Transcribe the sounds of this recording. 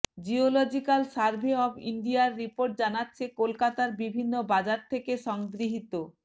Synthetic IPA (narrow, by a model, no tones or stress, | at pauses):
d͡ʑiolod͡ʑikalsaɾbʱeɔbḭɳɖiaɾːipoɾʈ̚d͡ʑanatːɕʰekolkat̪aɾbibʱinːobad͡ʑaɾt̪ʰekeʃɔŋɡɾiɦit̪o